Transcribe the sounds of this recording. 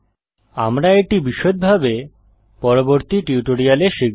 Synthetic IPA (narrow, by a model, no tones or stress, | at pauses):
a̰mɾaeʈibiʃot̪̚bʱabe | pɔɾoboɾt̪iʈiuʈoɾialeʃi